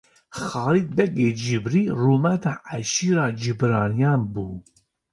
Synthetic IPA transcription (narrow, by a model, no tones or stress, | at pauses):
xɑːɾiːt̪̚bɛɡeːd͡ʒibɾiːruːmɛt̪ɑʔæʃiːɾɑːd͡ʒibɾɑːnijɑːnbuː